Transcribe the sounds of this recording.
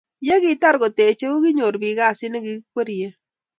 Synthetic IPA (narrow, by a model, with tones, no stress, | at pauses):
je˦ki˨ta˦ɾkɔ˨te˨t͡ʃe˦u˦ki˦ɲo˨ɾbi˨ka˦˨sɪ˦nɪ˦ki˦kwe˦ɾje˦